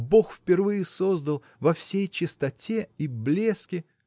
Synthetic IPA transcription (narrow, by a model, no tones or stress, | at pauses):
bo̞xfʲpʲɪrvɨjɪso̞zd̪əlˠ | vɐfsʲejt͡ɕɪst̪ɐtʲe̞iblʲeskʲɪ